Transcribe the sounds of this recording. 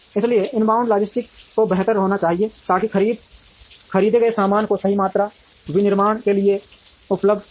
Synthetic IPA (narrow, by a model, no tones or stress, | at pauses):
ɪslieɪnbaːʊ̃ɳɖlaːd͡ʒɪsʈɪkːobɛɦt̪əɾɦoːnat͡ʃaːɦiet̪aːkikəɾiːd̪ | kʰɐɾiːd̪eɡɐesaːmaːnkosɐɦimaːt̪ɾa | winɪɾmaːɽ̃kelie | ʊpləb̚d̪